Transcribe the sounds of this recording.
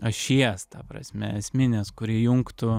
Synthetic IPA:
ɐʃʲiɛst̪ɑpɾɐ̰sʲmʲɛ̰ɛsʲmʲɪnʲeːskʊɾʲiɛjʊŋkt̪ʊ

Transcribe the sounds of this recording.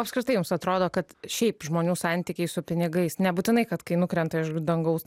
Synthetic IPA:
ɐpskɾʲɪt̪ɐɪjʊmsɐt̪ɾoːd̪oːkɐt̪ʃʲɛɪpʒmoːnʲuːsɑnʲt̪ʲɪkʲɛɪsʊpʲɪnʲɪɡɐɪsnʲɛbuːt̪ʲɪnɐɪkɐt̪kɐɪnʊkɾʲɛnt̪ɐɪʃd̪ɐŋɡɐʊs

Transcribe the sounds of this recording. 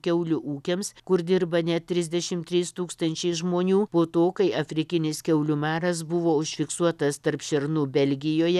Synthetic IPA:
kʲɛʊlʲʊʔuːkʲemskʊɾd̪ʲɪɾbɐnʲɛt̪t̪ʲɾʲɪzʲd̪ʲɛʃʲɪmt̪ʲɾʲiːst̪uːkst̪ɐnʲt͡ʃʲɛɪʒmoːnʲuːpoːt̪oːkɐɪʔɐfʲɾʲɪkʲɪnʲɪskʲɛʊlʲʊmɑːɾɐsbʊʋoːʊʃʲfʲɪksuɔt̪ɐst̪ɐɾpʃʲɛɾnuːbʲɛlʲɡʲɪjoːjɛ

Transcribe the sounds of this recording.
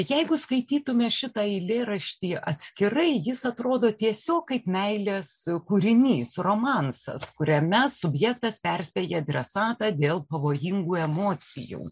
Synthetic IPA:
jɛɪɡʊskɐɪt̪ʲiːt̪ʊmʲɛʃʲɪt̪ɑːɪlʲeːɾɐʃʲt̪ʲiːʔɐ̰t̪ʲsʲkʲɪrɐɪjɪsɐt̪ɾoːd̪oːt̪ʲiɛsʲoːk̚kɐɪpmʲɛɪlʲeskuːɾʲɪnʲiːsroːmɑnsɐ̰skʊɾʲɛmʲɛsʊbʲjɛkt̪ɐspʲɛrʲsʲpʲeːjɛd̪ʲɾʲɛsɑːt̪ɑːd̪ʲeːlˠpɐʋoːjɪŋɡuːɛmoːt͡ssʲɪ̰jṵː

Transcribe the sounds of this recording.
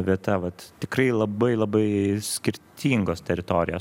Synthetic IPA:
ʋʲiɛt̪ɐʋɐt̪t̪ʲɪkrɐɪlˠɐbɐɪlˠɐbɐɪsʲkʲɪɾʲt̪ʲʰiːŋɡoːst̪ʲɛɾʲɪt̪oːɾʲɪjoː

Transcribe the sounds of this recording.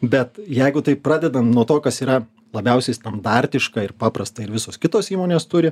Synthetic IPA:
bʲɛt̪jɛɪɡʊt̪ɐɪpɾɑːd̪ʲɛd̪ɐnnuɔt̪oːkɐsiːɾɐ | lˠɐbʲɛʊsʲɛɪst̪ɐnd̪ɑɾʲt̪ʲɪʃkɐɪɾpɑːpɾɐst̪ɐɪɾʋʲɪsoːskʲɪt̪oːsiːmoːnʲeːst̪ʊɾʲɪ

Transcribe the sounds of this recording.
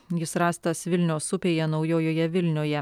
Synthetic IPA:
jɪsɾɑːst̪ɐsʋʲɪlʲnʲoːsʊpʲeːjɛnɒʊjoːjoːjɛʋʲɪlʲnʲoːjɛ

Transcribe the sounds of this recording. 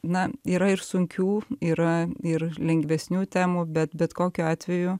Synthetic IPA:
nɐiːɾɐɪɾsʊŋʲkʲuːiːɾɐɪrlʲɛŋʲɡʋʲɛsʲnʲuːt̪ʲæːmuːbʲɛt̪bʲɛt̪koːkʲuːɑːt̪ʲʋʲɛju

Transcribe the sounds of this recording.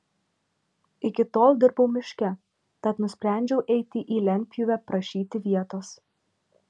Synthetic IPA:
ɪkʲɪt̪oːlˠd̪ʲɪɾbɐʊmʲɪʃʲkʲɛ | t̪ɐt̪nʊsʲpʲɾʲæˑnʲd͡ʒʲɛʊʔɛɪt̪ʲɪʔiːlʲɛnʲpʲjʊʋʲɛpɾɐʃʲiːt̪ʲɪʋʲiɛt̪oːs

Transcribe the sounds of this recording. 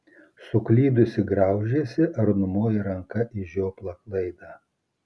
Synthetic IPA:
sʊklʲiːd̪ʊsʲɪɡɾɐʊʒʲeːsʲɪʔɐɾnʊmoːjɪɾɐŋkɐʔɪʃjoːplˠɐklˠɐɪd̪ɑː

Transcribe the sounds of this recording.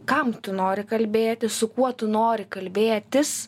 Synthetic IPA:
kɐmt̪ʊnoːɾʲɪkɐlʲbʲeːt̪ʲɪssʊkuɔt̪ʊnoːɾʲɪkɐlʲbʲeːt̪ʲɪs

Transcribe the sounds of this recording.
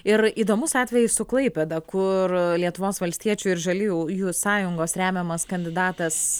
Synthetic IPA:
ɪɾiːd̪oːmʊsɑːt̪ʲʋʲɛjɪsʊklˠɐɪpʲed̪ɐkʊrlʲiɛt̪ʊʋoːsʋɐlʲsʲt̪ʲiɛt͡ʃʲuɪɾʒɐlʲujujuːsɑːjʊŋɡoːsɾʲæːmʲɛmɐskɐnʲd̪ʲɪd̪ɑːt̪ɐs

